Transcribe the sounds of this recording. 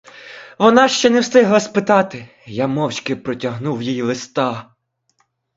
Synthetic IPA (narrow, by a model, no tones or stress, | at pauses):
ʋɔnɑʃt͡ʃɛnɛwst̪ɪɦlˠɐspɪt̪ɑt̪ɪ | jamɔwt͡ʃkɪpɾɔtʲɐɦnuwjijlˠɪst̪ɑ